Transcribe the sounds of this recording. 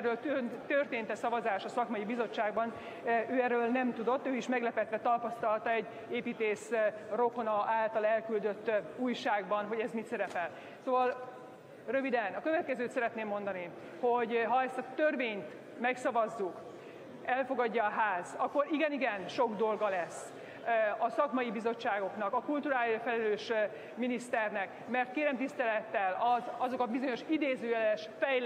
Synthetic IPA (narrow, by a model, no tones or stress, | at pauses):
rːøːlt̪ønt̪ørt̪eːnt̪ɛsɒvɒzaːʃɒsɒkmɒjibizo̞t͡ʃːaːɡbɒn | øːɛrøːlnɛmt̪ud̪o̞t̪ːøːiʃmɛɡlɛpɛt̪ʋɛt̪ɒpɒst̪ɒlt̪ɒɛɟː | eːpiːt̪eːsro̞konɒaːlt̪ɒlɛlkyld̪ø̞t̪ːuːjʃaːɡbɒnɦo̞ɟɛzmit̪sɛɾɛpɛl | soːvɒl | røvid̪ɛnɒkø̞vɛt̪̚kɛzøːt̪sɛɾɛt̪neːmːo̞nd̪ɒni | ho̞ɟɦɒɛst̪ɒt̪ørveːɲt̪ | mɛksɒvɒzːuk | ɛlfo̞ɡɒɟːɒːɦaːzɒkːo̞ɾiɡɛniɡɛnʃo̞ɡd̪o̞lɡɒlɛsː | ɒsɒkmɒjibizo̞t͡ʃːaːɡo̞knɒkɒkult̪uɾaːlifɛlɛløːʃ | minist̪ɛrnɛk | mɛrt̪̚keːɾɛmt̪ist̪ɛlɛt̪ːɛlɒzɒzo̞kɒbizo̞ɲo̞ʃid̪eːzøːjɛlʃfɛj